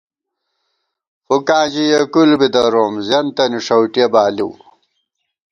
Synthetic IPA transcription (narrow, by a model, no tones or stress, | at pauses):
xukãːd͡ʑijekulbid̪ɐɾoːmzjɐnt̪ɐniʂɐwʈijɐbaːlḭw